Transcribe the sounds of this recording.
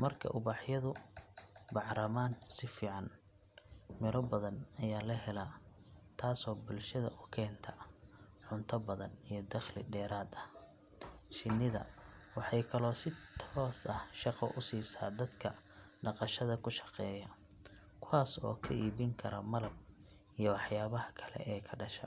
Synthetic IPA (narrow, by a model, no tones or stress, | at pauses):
mɐrkʰɐ̰ʔʊβaːħjɐðʊ | bɑʕɾɐmaːnsɪfiːʕɑn | mɪɾɔbɐðɐnɐjaːlɐɦɛlat̪ʰaːsɔːbʊlʃɐðɐ̰ʔʊkʰɛːnt̪ʰɐ | ʕʊnt̪ʰɐbɐðɐnijɞd̪ɐχlɪɖɛːɾaːd̪ɐh | ʃɪnːɪðɐ̰wɑħɑjkʰɐlɔːsɪt̪ʰɔːsɐhʃɑqɔ̰ʔʊsiːsa̰ːd̪ɐd̪kʰɐɖɑqɑʃɐðɐkʰʊʃɑ̥qɛːjɐ | kʰʊwaːsɔ̰ːkʰɐʔiːβɪŋkʰɐɾɐmɐlɐb̚ | ijɞwɑħjaːβɐhɐkʰɐlɛ̰ʔɛːkʰɐɖɐʃɐ̰